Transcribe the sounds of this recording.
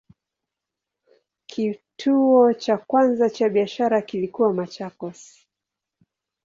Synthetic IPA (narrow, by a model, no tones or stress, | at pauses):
kʰitʰuɔt͡ʃakwanzat͡ʃaɓiaʃaɾakilikuwamat͡ʃakɔsi̥